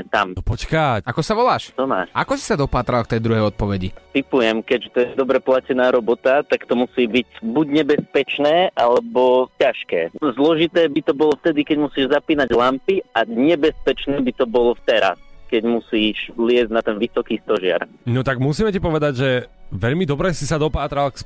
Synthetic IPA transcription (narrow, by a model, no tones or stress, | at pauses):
ɛt̪amɔpɔckaakɔsaʋɔlaːʃt̪ɔma̰ːʃakɔsi̥sad̪ɔpaːt̪ɾalk̚t̪ɛjd̪ɾuɦɛjɔt̪̚pɔʋɛɟit̪ipujɛmkɛɟʒɛt̪ɔjɛd̪ɔbɾɛplacɛnaːɾɔbɔt̪at̪akt̪ɔmusiːbiɟbuɟɲɛbɛspɛt͡ʃnɛːʔalɛbɔcaʃkɛ̰ːzlɔʒit̪ɛːbit̪ɔbɔlɔft̪ɛd̪ikɛɟmusiːʒzapiːnaɟlampiaɲɛbɛspɛt͡ʃnɛːbit̪ɔbɔlɔft̪ɛɾa̰skɛɟmusiːʃlɪɛzɟnat̪ɛnʋisɔkiːst̪ɔʒɪa̰ɾ | nɔt̪aɡmusiːmɛcipɔʋɛd̪aɟʒɛʋɛʎmid̪ɔbɾɛsisad̪ɔpaːt̪ɾalks